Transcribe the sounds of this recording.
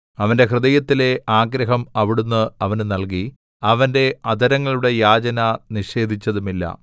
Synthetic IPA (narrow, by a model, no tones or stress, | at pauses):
ɐʋɐnde̞ɦrɨðɐjɐt̪ːile̞aːɡɾɐɦɐmɐʋiɽunːɨɐʋɐnnɐlk̬i | ɐʋɐnde̞ɐd̪ʱɐɾɐŋːɐɭuɽe̞jaːd͡ʑɐnɐniʂe̞ːd̪ʱit͡ɕːɐðumilːɐ̰